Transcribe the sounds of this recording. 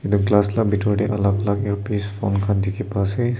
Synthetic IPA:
ɛduɡlaslabitɔɹdɛʔalaklakɛɹpispʰɔ̰nkʰandikʰipasɛ

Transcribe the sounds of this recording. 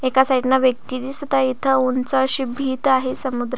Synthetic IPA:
ekasaʈinaʋjək̚t̪id̪isət̪ait̪ʰəunt͡saɕibʱiːt̪aɦesəmud̪ɾ

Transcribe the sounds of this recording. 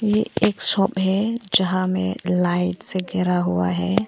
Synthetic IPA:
jeeːksɔpɦɛd͡ʒɐɦãmḛ̃laɪʈseɡɛɾaɦua̰ɦɛː

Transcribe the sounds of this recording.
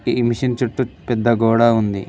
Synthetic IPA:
imiʃɐnt͡ʃuʈːupɛd̪ːɐɡɔːɽaːund̪i

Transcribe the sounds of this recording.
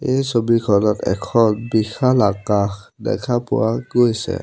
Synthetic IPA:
ejsobikʰɔlɔtʰɛ̰kʰɔnbixʰalakaxdɛ̰kʰapuwaɡojsɛ̰

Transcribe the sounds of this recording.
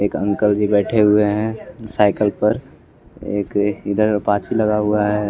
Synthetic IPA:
eːkə̃ŋkəld͡ʒibɛːʈʰeɦʊeɦɛ̃saːɪkəlpəɾ | ḛːkɪd̪əɾpaːt͡ʃiləɡaɦʊaɦɛ

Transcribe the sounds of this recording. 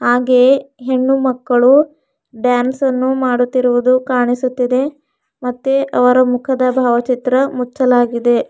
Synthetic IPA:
haːɡe̞ːɦe̞ɳːumɐkːɐɭu | ɖjaːnsɐnːumaːɽut̪ːiɾuʋud̪ukaːɳisut̪ːid̪e̞ | mɐt̪ːeʔɐʋɐɾɐmukʰɐd̪ɐbʱaːʋɐt͡ʃit̪ɾɐmut͡ʃːɐlaːɡid̪e̞

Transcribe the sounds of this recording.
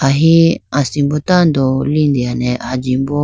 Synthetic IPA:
aɦiasimbɔtandɔlindianɛʔad͡ʒimbɔ

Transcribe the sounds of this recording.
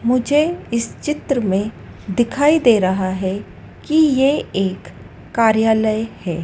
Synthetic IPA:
mʊd͡ʒʱeɪst͡ʃɪt̪ɾəmẽ | d̪ɪkʰaːid̪eːɾɐɦaɦɛ | kijeeːkː | aːɾjaːləjhɛː

